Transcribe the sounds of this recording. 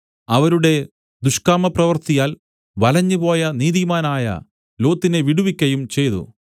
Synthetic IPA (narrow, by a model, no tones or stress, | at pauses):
ɐʋɐɾuɽe̞ | d̪uʂkaːmɐprɐʋɐrt̪ijaːl | ʋɐlɐɲːupo̞ːjɐniːðimaːnaːjɐ̰ | lo̞ːt̪ːine̞ʋiɽuʋikʲːɐjumt͡ɕe̞jt̪ṵ